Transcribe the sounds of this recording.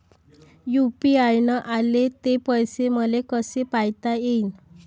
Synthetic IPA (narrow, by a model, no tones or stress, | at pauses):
jupiajnəʔalet̪epəjseməlekəsepajt̪ajein